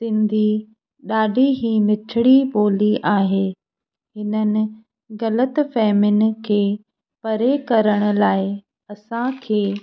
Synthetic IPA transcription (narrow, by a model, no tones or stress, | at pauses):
sɪ̃nd̪ʱi | ɗaːɖʱiɦimɪtʰɪɽiɓoːliʔaːɦeː | ɦɪnənɪ̆ | ɣɐlət̪fɛːmɪnɪ̆kʰeː | pɐɾekɐɾəɽ̃ʊ̆laːɪ | ɐsãkʰeː